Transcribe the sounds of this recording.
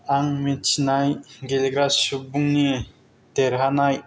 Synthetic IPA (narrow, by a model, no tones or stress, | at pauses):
aŋmit͡ʃnajɡilɡɾasubuŋni | t̪eɾɦanaj